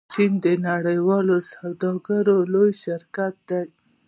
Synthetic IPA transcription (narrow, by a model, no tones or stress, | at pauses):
t͡ʃind̪ənaɽəjwɑlosawd̪ɑɡaɾolojʃɪɾkat̪̚d̪a